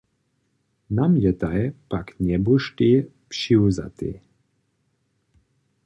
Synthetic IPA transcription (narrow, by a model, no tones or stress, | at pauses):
namjɛt̪ajpaknɛbuʃti | pʃiwza̰t̪ḭ